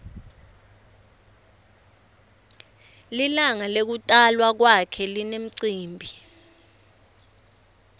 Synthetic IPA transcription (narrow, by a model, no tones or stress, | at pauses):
lilaŋalek̬utʼalwak̬wakʰɛlinem̩ǀiːmbʱi